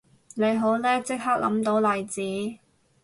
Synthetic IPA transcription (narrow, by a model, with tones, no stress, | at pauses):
ne˨˧jɦo˨˥wlɛː˥t͡sɪ˥k̚haː˥k̚lʔɐ̰˨˥mt̪o˨˥wlɐ˨˩jt͡siː˨˥